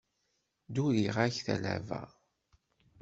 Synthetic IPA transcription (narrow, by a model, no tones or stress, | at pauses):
d̪uɾiʁaçθælæ̰væ̰